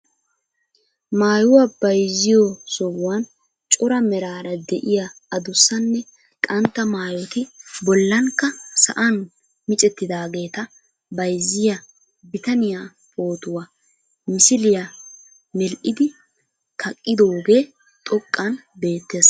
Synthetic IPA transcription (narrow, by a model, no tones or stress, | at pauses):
maːjʊwab̥ɐjzːɪjɔsɔɡʊwɐn | t͡ʃʼʊɾɐmɛɾaːɾɐd̪ɛʔɪjaɐd̪ʊsːɐnːɛ | kʼɐnt̪ːɐmaːjɔt̪ɪbɔlːɐŋkːɐsɐ̰ʔɐn | mɪt͡ʃʼɛt̪ːɪd̪aːɡe̞ːt̪ɐ | bɐjzːɪjɐ | bɪt̪ɐnɪjaː | po̞ːt̪ʊwa | mɪsɪlɪja | mɛlʔɪd̪ɪ | kʰɐkʼːɪd̪o̞ːɡe̞ː | t̪ʼɔkʼːɐnbe̞ːt̪ːe̞ːs